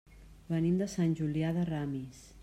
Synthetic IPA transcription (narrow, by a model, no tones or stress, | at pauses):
bənimd̪əsanʲʒuliaðəramis